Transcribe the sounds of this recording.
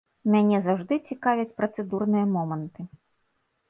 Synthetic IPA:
mʲanʲɛzawʐd̪ɨt͡sʲikavʲɛt͡sʲpɾɐt̪sɛd̪urnɨjɐmɔmɐnt̪ɨ

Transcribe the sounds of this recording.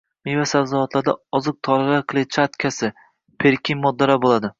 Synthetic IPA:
mevasavzɨat̪laɾd̪a̰ɒzɨq̚t̪ʰɒɾalaɾklˠet͡ʃʰat̪kʲʰasɪ | pʰeɾkʲɪŋmɒd̪ːaɾabolˠad̪ɪ

